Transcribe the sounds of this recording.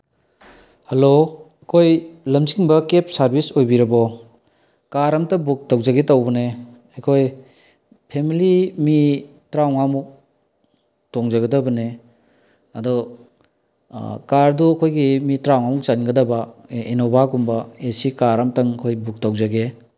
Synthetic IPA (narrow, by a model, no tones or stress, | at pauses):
hɐloɐkʰojlɐmziŋbɐkep̚saɾbisojbiɾɐbɔ | kaɾamtɐbuk̚tawzaɡetawbɐne | ɐkʰoj | pʰemilimitɾawŋamuk̚ | tɔŋzaɡɐdɐbɐne | ɐdɔ | kaɾduɐkʰojɡimitɾawŋamuk̚t͡ʃanɡɐdɐbainobʱakumbɐesikaɾamtɐŋkʰojbuk̚tawzaɡe